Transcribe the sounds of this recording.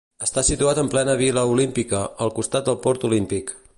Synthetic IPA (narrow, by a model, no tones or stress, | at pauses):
əst̪asit̪uat̪əmplɛnəβ̞iləulimpikəːlˠkust̪at̪̚d̪əlˠpɔɾt̪ulimpik